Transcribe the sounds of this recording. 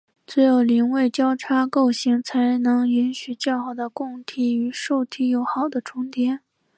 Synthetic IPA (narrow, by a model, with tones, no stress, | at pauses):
t͡sɛ˥jo˨˩ʊli˧˥ŋwe˥˩ɪt͡ɕjɑ˥ʊʈ͡ʂʰa˥ko˥˩ʊɕi˧˥ŋt͡sʰa˧˥ɪnɤ˧˥ŋi˧˥nɕy˨˩t͡ɕjɑ˥˩ʊxɑ˨˩ʊd̪ə˦kʊ˥˧ŋt̪ʰi˥˩y˧˥ʂo˥˧ʊt̪ʰi˥jo˨˧˥ʊxɑ˨˩ʊd̪ə˦ʈ͡ʂʰʊ˥ŋt̪jɛ˥n